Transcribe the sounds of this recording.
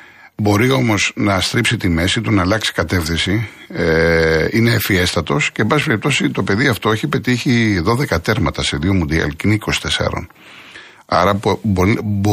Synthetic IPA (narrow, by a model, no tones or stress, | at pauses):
bo̞ɾio̞mo̞znɐst̪ɾipsit̪ime̞sit̪unɐːlɐksi̥kɐt̪e̞fθinsi | ine̞fie̞st̪ɐt̪o̞sce̞ːbɐsipe̞ɾip̚t̪o̞sit̪o̞pe̞ðiɐft̪o̞eçipe̞t̪içiðo̞ðe̞kɐt̪e̞ɾmɐt̪ɐse̞ðio̞mund̪iɐ̰lciniko̞si̥t̪e̞sɐ̰ɾo̰n | ɐ̰ɾɐ | b